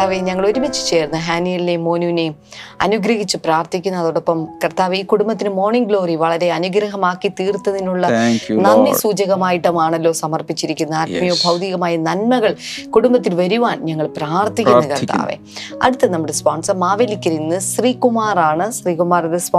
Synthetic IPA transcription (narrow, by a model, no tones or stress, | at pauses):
aːʋeɲɐŋːɐɭo̞ɾumit͡ɕːɨ̥t͡ɕe̞ːɾnːɐɦaːnijɐlilemo̞ːnuːine̞ | ɐ̰nuɡɾɐɦit͡ɕːɨpraːrt̪ikʲːunːɐðoːɽopːɐmkɐrt̪aːʋeiːkuɽumbɐt̪ːinɨmo̞ːrɳiŋɡlo̞ːriʋɐɭɐɾe̞ɐnuɡɾɐɦɐmaːkːit̪iːrt̪ːɐninːuɭːɐnɐnːisuːd͡ʑɐɣɐmaːjiʈːɐmaːɳɐlːo̞ːsɐmɐrpit͡ɕːiɾikʲːunːɐaːʈmijoːbʱɐwd̪iɣɐmaːjɐnɐnmɐɣɐɭkuɽumbɐt̪ːilʋɐɾuʋaːnɲɐŋːɐɭpraːrt̪ikʲːunːɐkɐrt̪ʰːa̰ːʋḛ | ɐ̰ɽut̪ːɐnɐmːuɽespaːɳsɐmaːʋelikʲːɐɾinːɨsriːkumaːraːɳɨsriːkumaːrɐðɨspː